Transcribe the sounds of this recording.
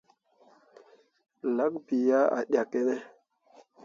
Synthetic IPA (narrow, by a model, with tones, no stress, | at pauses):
la˦k̚bi˨ja˦a̰˨ɗja˨kːe˦ne˦